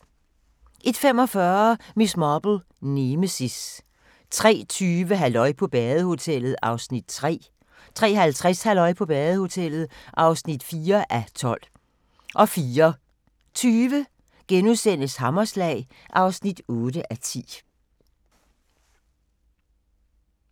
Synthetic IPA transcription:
ʔe̝d̥fem̰ɒ̽fɶːɐmismɑb̥l̩ | neməsis | t͡sʰʁɛ̰ːt͡sʰyːʋəɦælɒ̽ɪpʰɒ̽b̥ɛːðˠəho̝t͡sʰel̰ð̩ˠɑ̈ʊsnid̥t͡sʰʁɛ̰ː | t͡sʰʁɛ̰ːɦælt͡sʰʁashælɒ̽ɪ̰pʰɒ̽b̥ɛːð̩ˠəho̝t͡sʰel̰ð̩ˠʔɑ̈ʊsnid̥fiːɐʔæt͡sʰɒ̽l̰ | ʔɒ̽fiːɐ | t͡sʰyːʋə | ɡ̥enusen̰əshɑmɐslɛ̰ːɪ | ʔɑ̈ʊsnid̥ɔːd̥əʔæt͡sʰḭː

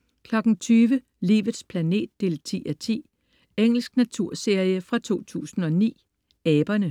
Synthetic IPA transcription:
kʰlɒ̽ɡ̥n̩t͡sʰyːʋə | lḭːʋðˠspʰlæne̝̰ːd̥̚ːe̝ːlt͡sʰḭːæt͡sʰḭː | eŋ̰l̩sɡ̥næt͡sʰuɐ̰se̝ɐjəfʁɑ̈t͡sʰo̝̰ːt͡sʰṵːsn̩ɒ̽nḭː | ɛːb̥ɐnə

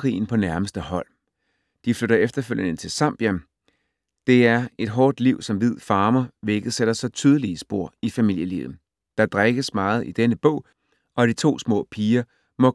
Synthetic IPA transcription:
kʰʁḭːn̩pʰɒ̽næɐməsd̥əhɒ̽l̰ | d̥ifløɾɐefd̥ɐføljənət͡sʰe̝lsɑ̈m̰b̥jæ | d̥e̝æɐe̝d̥ɦɒːd̥liʊ̰sɒ̽mʋið̞̰ˠfɑ̈ːmɐʋeɡ̥əð̩ˠseɾ̥ɐsɒ̽t͡sʰyːð̞ˠəliəsb̥o̝ɐ̰ifæmil̰jəlḭːʊ | d̥ɑ̈d̥ʁaɡ̥əsmɑ̈ːð̞̩ˠid̥enəb̥ɔ̰̽ʊ̰ | ɒ̽d̥it͡sʰo̝̰ːsmɔ̰̽ːpʰiːɐ | mɒ̽

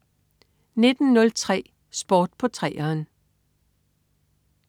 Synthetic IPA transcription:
ne̝d̥n̩nɔ̽lt͡sʰʁɛ̰ː | sb̥ɒːd̥̚pʰɒ̽t͡sʰʁɛ̰ːɐːn

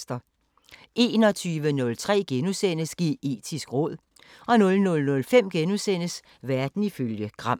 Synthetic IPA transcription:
sd̥ɐ | ʔe̝ːnɒ̽t͡sʰyːʋənɔ̽lt͡sʰʁɛ̰ːɡ̥enusen̰əsɡ̥ie̝̰ːd̥ʰisɡ̥ʁɔ̽ð̞̰ˠ | ɒ̽nɔ̽lnɔ̽lnɔ̽lfem̰ɡ̥enusen̰əs | ʋæɐd̥n̩iføljəɡ̥ʁɑ̈m̰

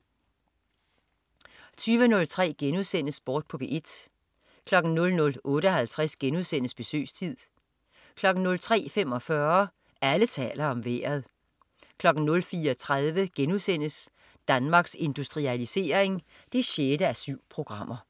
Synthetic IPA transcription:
t͡sʰyːʋənɔ̽lt͡sʰʁɛ̰ːɡ̥enuðˠsen̰əsb̥ɒːd̥̚pʰɔ̽b̥eʔe̝d̥ | kʰlɒ̽ɡ̥n̩nɔ̽lnɔ̽lʔɔ̽ːɾəɒhælt͡sʰʁasɡ̥enuðˠsen̰əsb̥e̝sø̰ːst͡sʰið̰ˠ | kʰlɒ̽ɡ̥n̩nɔ̽lt͡sʰʁɛ̰ːfem̰ɒ̽fɶɐ | ælət͡sʰɛ̰ːlɐɒ̽mʋḛːɐð̞ˠ | kʰlɒ̽ɡ̥n̩nɔ̽lfiːɐɒt͡sʰʁaðˠʋəɡ̥enuðˠsen̰əs | d̥ænmɑ̈ːɡ̥se̝nd̥usd̥ʁiælise̝̰ːɐe̝ŋ | d̥e̝ɕed̥əæsyʊ̰pʰʁo̝ɡ̥ʁɑ̈m̰ʔɐ

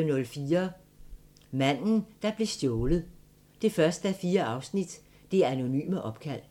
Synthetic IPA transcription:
nɔ̽lfiːɐ | mæn̰n̩d̥ɑ̈b̥le̝sd̥jɔːlð̩ˠ | d̥e̝fɶɐsd̥əæfiːɐʔɑ̈ʊsnid̥ː | e̝æɐæno̝ny̰ːməʔɒ̽b̥̚kʰæl̰

